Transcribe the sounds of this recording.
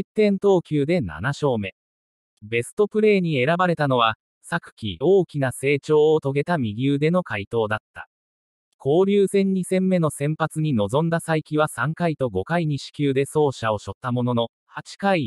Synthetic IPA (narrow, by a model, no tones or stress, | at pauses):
it̪ːẽ̞nt̪o̞ːkʲɨːd̪e̞na̰naɕo̞ːme̞ | be̞sɨ̥t̪o̞pɯ̟ɾe̞ːɲ̟ie̞ɾabaɾe̞t̪ano̞β̞a | sakɯ̟̥kʲḭo̞ːkʲinase̞ːt͡ɕo̞ːt̪o̞ɡe̞t̪amʲiɡʲɨːd̪e̞no̞kait̪o̞ːd̪at̪ːḁ̰ | kʰo̞ːɾʲɨːsẽ̞ɲ̟ːisẽ̞mːe̞no̞sẽ̞mpat͡sɨɲ̟ino̞zõ̞nd̪asaikʲiβasãŋkait̪o̞ɡo̞kaiɲ̟iɕi̥kʲɨːd̪e̞so̞ːɕao̞ɕo̞t̪ːamo̞no̞no̞ | hat͡ɕi̥kai